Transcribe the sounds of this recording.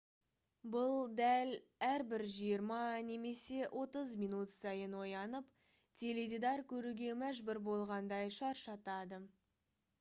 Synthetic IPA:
bʊlˠd̪æl | æɾbɪɾʒijəɾmɑne̞me̞se̞wʔo̞t̪əzmʲinut̪sɑjənwo̞jɑnəp | t̪ʰe̞led̪ʲid̪ɑɾkʲʰɵɾuɡʲe̞mæʒbʏɾbo̞lˠʁɑnd̪ɑjʃɑɾʃɑt̪ɑd̪ə

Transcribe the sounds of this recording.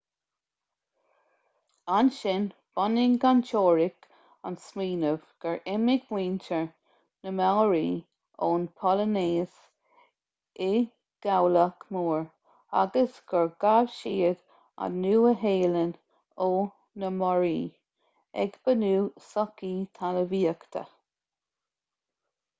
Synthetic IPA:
anʃɪnb̥ɔnɪŋɡant͡ʃʰoːɹɪk | ansmiːnəvɡ̥əɹʔɛmɪɡwiːntəɹ | nəmawɹiː | oːnpʰɔləneːs | ɪ | ɡ̥awlakmuːɹ | a̰ɡəsɡ̥əɹɡavʃiːəɡ | a̰nuːəɦeːlən | oː | nəmɔɹiː | ɛ̰ɡb̥ənuːsɔkit̪ʰaləviːəkt̪ʰə̰

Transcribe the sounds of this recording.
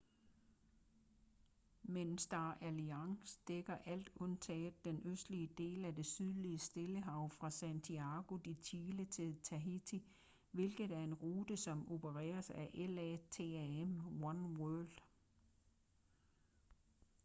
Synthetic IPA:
mensd̥ɑ̈ːʔæliɑ̈ŋsd̥eɡ̥ɐʔæl̰d̥ɔ̽nt͡sʰɛ̰ːð̥̩ˠd̥enøsd̥liəd̥e̝̰ːlæd̥e̝syð̞ˠliəsd̥e̝ləɦɑ̈ʊ̰fʁɑ̈sænt͡sʰiɑ̈ɡ̥o̝d̥it͡sʰiːlət͡sʰe̝lt͡sʰæɦit͡sʰi | ʋe̝lɡ̥ð̩ˠæɐe̝nʁuːd̥əsɒ̽mo̝bʰəʁɛ̰ːɐsæʔelɛt͡sʰe̝æemwɒnwɜɐld̥

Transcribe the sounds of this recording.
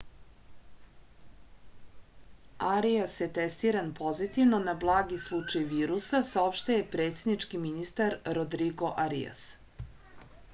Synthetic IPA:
aɾiasjet̪ɛst̪iːɾanpʰo̞zit̪ivno̞nablˠaːɡislˠut͡ʂajʋiːɾusasao̞pʃt̪ejepɾe̞ːt̪se̞d̪nit͡ʃkiminist̪aɾɾod̪ɾiɡo̞ʔaɾḭja̰s

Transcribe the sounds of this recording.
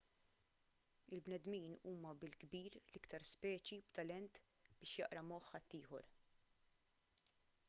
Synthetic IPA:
ɪlbnɛd̪miːnuːmɐbɪlɡbiːɾlɪkt̪ɐɾspɛːt͡ʃibt̪ɐlɛnt̪ | b̥ɪːʃjɐʔɾɐmɔħːɐt̪ːiːħɔ̰ɾ

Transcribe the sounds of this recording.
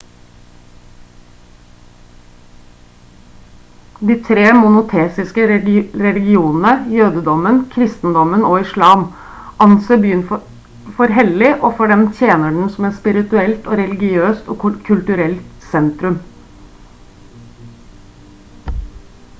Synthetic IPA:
d̪iːt̪ʰɾeːmʊnʊt̪ʰeːsɪskəɾɛlɪɡɪuːnn̩əjøːd̪əd̪ɔmənkʰɾɪst̪n̩d̪ɔmənoːɪʃlɑːm | ʔɑnsəbjyːn | fɔɾɦɛlɪʔoːfɔɖɛmt̪ʰjeːnəɖɳ̩sɔmɛt̪spɪɾɪt̪ʉɛlt̪oːɾɛlɪɡɪøːst̪oːkkʰʉlt̪ʉɾɛlt̪sɛnt̪ɾʉm

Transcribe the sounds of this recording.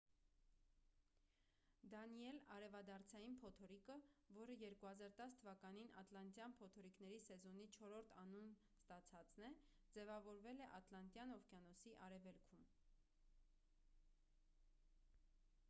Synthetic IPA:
d̪ɑniɛlɑɾɛvɑd̪ɑɾt͡sʰɑjinpʰɔt̪ʰɔɾikəvɔɾəjɛɾkuhɑzɑɾt̪ɑst̪ʰəvɑkɑninɑt̪lɑnt̪jɑnpʰɔt̪ʰɔɾiknɛɾisɛzɔn̪it͡ʃʰɔɾɔɾt̪ʰɑnun | st̪ɑt͡sʰɑt͡snɛ | d͡zɛvɑvɔɾvɛlɛʔɑt̪lɑnt̪jɑnɔfkjɑnɔsiʔɑɾɛvɛlkʰum

